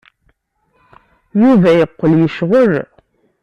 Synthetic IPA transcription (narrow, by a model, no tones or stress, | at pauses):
juvæjəqːəljəʃʁəɾ